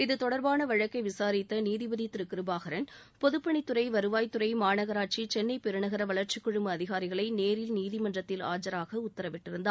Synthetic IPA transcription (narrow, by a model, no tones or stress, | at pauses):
ɪðɯt̪ɔɽɐɾbaːnɐʋɐɻɐkːɐɪʋɪsaːɾɪt̪ːɐniːðɪbɐðit̪ːɪɾɯkːɪɾɯbaːɣɐɾɐn | pɔðɯpːɐɳɪt̪ːɯɾɐɪʋɐɾɯʋaːjt̪ːɯɾɐɪmaːnɐɣɐɾaːʈ̚t͡ʃit͡ʃɛnːɐɪpɛɾɯɳɐɣɐɾɐʋɐɭɐɾt͡ʃɪkːʊɻʊmbɐːðɪɣaːɾɪɣɐɭɐɪneːɾɪlniːðɪmɐndrɐt̪ːɪla̰ːd͡ʒɐɾaːɣɐʊt̪ːɐɾɐʋɪʈːɪɾɯnd̪a